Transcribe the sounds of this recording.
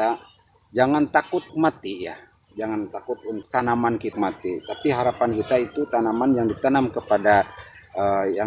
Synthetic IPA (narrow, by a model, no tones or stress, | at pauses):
a | d͡ʒaŋant̪akʊt̪̚mat̪ija | d͡ʒaŋant̪akʊt̪̚ʊnt̪anamankit̪̚mat̪it̪apiɦaɾapankit̪ait̪ut̪anamanjaŋdit̪anamkəpadaəja